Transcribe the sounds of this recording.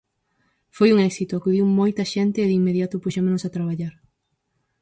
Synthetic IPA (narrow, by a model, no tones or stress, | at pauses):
fojuŋɛksit̪ʊakuðiwmojt̪ɐʃent̪ɪːðiŋmeðjat̪ʊpuʃemonʊsat̪ɾaβaʎaɾ